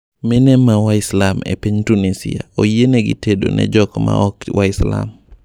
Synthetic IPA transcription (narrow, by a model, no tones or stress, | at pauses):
mɪnɛmawaɪslamḛpiɲtunisiaojenɛɡɪ̰tedo̰nʔɛ̰d͡ʒɔkɔma̰ɔkwʔaɪsla̰m